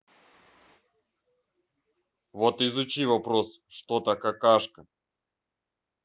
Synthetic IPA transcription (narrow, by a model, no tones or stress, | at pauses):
vot̪ɪzʊt͡ɕivɐpɾosʂt̪ot̪əkɐkaʂkə